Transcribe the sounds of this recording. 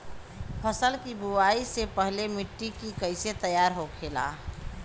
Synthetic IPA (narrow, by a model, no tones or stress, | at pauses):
pʰəsəlkibuaisepəɦlemɪʈːikikəɪset̪əjaːɾɦokʰeːla̰ː